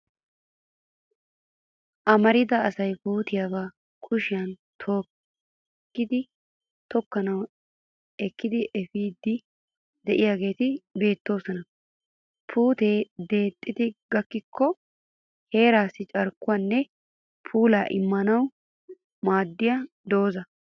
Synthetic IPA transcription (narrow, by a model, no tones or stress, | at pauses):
ʔɐmɐɾɪd̪ɐɐsɐjpuːt̪ɪjaɡa | kʰʊʃɪjɐnt̪ʰo̞ː | kːɪd̪ɪ | t̪ɔkːɐnɐw | ɛkːɪd̪ɪʔɛfiːd̪ːɪ | d̪ɛʔɪjaːɡe̞ːt̪ɪbe̞ːt̪ːo̞ːsɔnɐ | pʰuːt̪e̞ːd̪e̞ːt̪ʼːɪd̪ɪɡɐkːɪkʰːɔ | he̞ːɾaːsːɪt͡ʃʼɐɾkːʊwanːɛ | pʰuːlaːʔɪ̰mːɐnɐw | maːd̪ːɪjɐ | d̪o̞ːzɐ